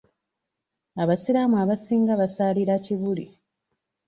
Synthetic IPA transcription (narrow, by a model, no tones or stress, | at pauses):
aβasiɾamuaβasiːŋɡaβasaːliɾaciβulḭ